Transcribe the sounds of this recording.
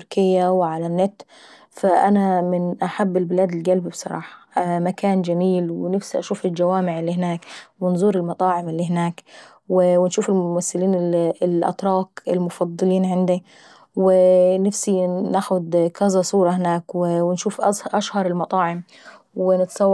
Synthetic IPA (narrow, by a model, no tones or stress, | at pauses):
ɾkɪjːawɪʕalanːɪt̪ | faʔanamɪnʔaħabːɪlbɪlaːd̪ɪlɡalbibsˤɑ̰ɾˤɑ̰ːħɑ̥makaːnd͡ʒamiːlwɪnafsiʔaʃuːfɪld͡ʒawaːmɪʕɪlːiːhɪnaːkwɪnzˤuːɾɪlmɑt̪ˤɑːʕɪmɪlːiːɦɪnaːk | wɪwɪnʃuːfɪlmʊmaθːɪliːnɪɪlʔɑ̰t̪ɾˤɑːqɪ̰lmʊfɑd̪ˤːɨliːnʕɪnd̪ɪ | wɪnafsinaxʊd̪kazasˤuːɾˤɑhɪnaːkwɪwɪnʃuːfʔzʔaʃhɑɾˤɪlmɑt̪ˤɑːʕɪm | wɪnɪt̪sˤɑwː